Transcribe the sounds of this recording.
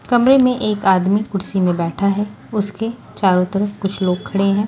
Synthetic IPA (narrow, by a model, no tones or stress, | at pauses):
kɐmɾemẽʔeːkaːd̪mikʊɽsimẽbɛːʈʰaɦɛ | ʊske | t͡ʃaːɾot̪əɾəkʊt͡ʃʰloːɡ̚kʰɐɽeɦɛ̃ː